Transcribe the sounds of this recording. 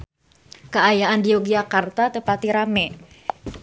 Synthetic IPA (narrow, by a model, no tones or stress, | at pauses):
kəajaʔandioɡiakart̪at̪əpat̪iɾamɛ